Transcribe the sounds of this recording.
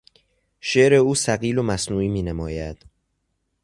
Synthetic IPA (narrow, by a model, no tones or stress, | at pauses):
ʃeʔɾe̞uːsæɣiːlomæsnuːiːmiːnemɒːjæd̪̥